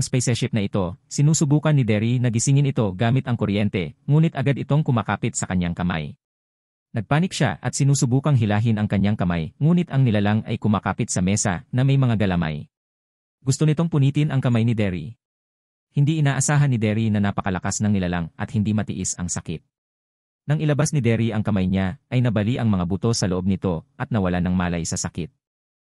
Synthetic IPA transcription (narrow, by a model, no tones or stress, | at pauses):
ɐŋspɛjsɛɹʃɪp̚nɐʔɪt̪o̞sɪnuːsʊbuːkɐnːɪd̪ɛɾinɐɡɪsɪŋɪnɪt̪o̞ɡaːmɪt̪ɐŋkʊɾjɛnt̪ɛŋuːnɪt̪ʔɐɡad̪ɪt̪o̞ŋkʊmaːkaːpɪt̪sɐkɐɲːaŋkɐma̰j | nɐɡ̚paːnɪk̚ʃa̰ʔɐ̰t̪̚sɪnuːsʊbuːkɐŋɦɪlaːɦɪnɐŋkɐɲːaŋkɐmajŋuːnɪt̪ʔɐŋnɪlalaŋɐ̰jkʊmaːkaːpɪt̪̚sɐmɛːsɐ̰nɐmɐjmɐŋaɡɐlama̰j | ɡʊst̪o̞nɪt̪o̞ŋpʊniːt̪ɪnɐŋkɐmajnɪd̪ɛɾḭ | hɪnd̪iʔɪnaːʔɐsaːɦɐnːɪd̪ɛɾinɐnapɐkɐlɐkasnɐŋnɪlalaŋʔɐ̰t̪̚hɪnd̪imɐt̪ɪ̰ʔisɐŋsɐkɪt̪̚ | nɐŋʔɪlɐbasnɪd̪ɛɾiʔɐŋkɐmajɲaʔɐjnɐbɐliʔɐŋmɐŋabʊt̪o̞sɐloʔo̞b̚nɪt̪o̞ʔɐt̪̚nɐwɐlanɐŋmaːlɐjsɐsɐkɪt̪̚